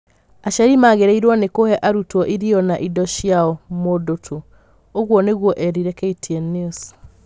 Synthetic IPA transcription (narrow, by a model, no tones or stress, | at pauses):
aʃaɾimaːɣeɾɛiɾwɔnekohɛʔaɾutwɔʔiɾiɔnaʔidɔʃjaɔmodotʰo | oɣwɔneɣwɔʔɛɾiɾɛkɛitʰiɛnis